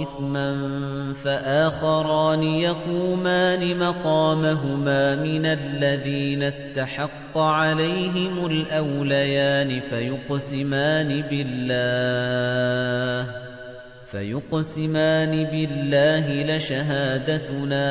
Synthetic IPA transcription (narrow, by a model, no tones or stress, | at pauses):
ɪθman | faʔaːxɑɾˤɑːnɪjɑquːmaːnɪmɑqɑːmaɦʊmaːmɪnalːaðiːnast̪aħɑqːɑʕalajɦɪmʊlʔawlajaːnɪfajʊqsɪmaːnɪbɪlːaː | h | fa̰jʊqsɪmaːnɪbɪlːaːɦɪlɪʃaɦaːd̪at̪naː